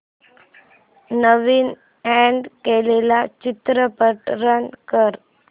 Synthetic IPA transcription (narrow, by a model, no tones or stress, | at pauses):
nəʋiːn | ɛɳɖkelelat͡ɕit̪ɾəpəʈɾəɳkəɾ